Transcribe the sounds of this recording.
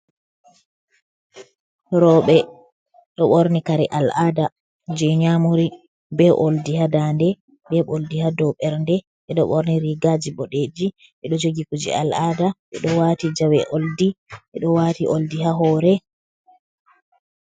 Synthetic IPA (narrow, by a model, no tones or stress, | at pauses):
ɾɔɓɛ | ɗɔɓoɾnikaɾɛʔalʔaːda | d͡ʒɛɲamuɾi | bɛʔoldihadandɛ | ɓɛɓoldihadɔɓɛɾndɛ | ɓɛɗɔ̰ɓoɾniɾiɡad͡ʒiɓɔɗed͡ʒi | ɓɛɗɔd͡ʒoɡikud͡ʒḭa̰ladaʔɛɗɔwaːtid͡ʒawɛʔoldiʔɛɗɔwatiʔoldiɦaɦɔːɾɛ